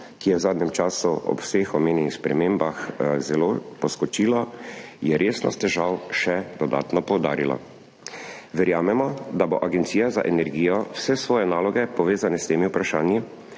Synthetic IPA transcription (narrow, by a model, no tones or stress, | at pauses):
kijɛwzaːd̪nɛmt͡ʃaːsuɔ̰pwsexɔmeːnjɛnixspɾɛ̰meːmbaxzɛloːpɔskɔt͡ʃiːlɔjɛɾʔeːsnɔ̰st̪ɛʒawʃɛd̪ɔd̪a̰ːt̪nɔpɔwd̪a̰ːɾila̰ | ʋɛɾjaːmɛmɔd̪aboʔaɡɛnt̪siːjaza̰ʔɛnɛɾɡiːjɔwsɛsʋɔːjɛnaːlɔɡɛpɔʋeːzanɛst̪eːmiupɾaʃaːnji